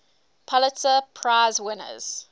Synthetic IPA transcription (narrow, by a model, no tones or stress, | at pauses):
pʰɔlətəpʰɹaɪzwɪnə̰z̥